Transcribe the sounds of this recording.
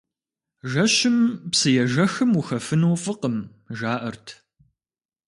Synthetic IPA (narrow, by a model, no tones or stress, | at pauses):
ʒɐɕɪmpsɨjɛʒɐxɨmwuxɐfɨnuːfɨqəm | ʒaːʔɐrtʰ